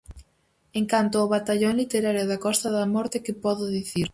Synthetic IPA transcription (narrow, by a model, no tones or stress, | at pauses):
eŋkant̪ʊoβat̪aʎoŋlit̪eɾaɾjoðakɔst̪ɐðamɔɾt̪ɪkɪpɔðʊðiθiɾ